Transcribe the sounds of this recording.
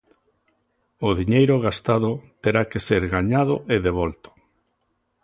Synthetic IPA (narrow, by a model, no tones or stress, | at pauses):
ʊðiɲejɾʊɣast̪að̞ʊt̪eɾakeseɾɣaɲaðʊʔeðeβ̞ɔlt̪o̥